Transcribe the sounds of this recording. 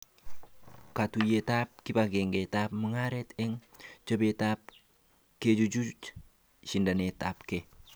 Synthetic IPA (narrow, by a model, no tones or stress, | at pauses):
katujetap̚kibaɡeŋɡetap̚məŋaɾeteŋt͡ʃobetap̚ | ked͡ʒud͡ʒut | ʃindanetapke